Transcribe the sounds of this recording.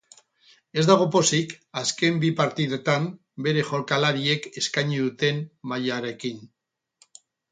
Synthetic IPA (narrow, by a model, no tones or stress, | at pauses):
e̞zd̪aɣ̞o̞po̞sikaske̞mbipaɾt̪iðet̪am | be̞ɾe̞xo̞lkalaɾie̞ke̞skajɲiðut̪e̞mmːajaɾe̞kin